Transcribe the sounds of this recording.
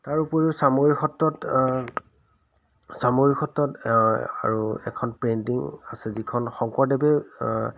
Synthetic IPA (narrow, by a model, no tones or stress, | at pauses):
taɹupɔɹisamoɹixɔtːɔt | samoɹixɔtːɔta̰ɹuɛ̰kʰɔnpɹentiŋasɛzikʰɔnxɔŋkɔdɛbɛ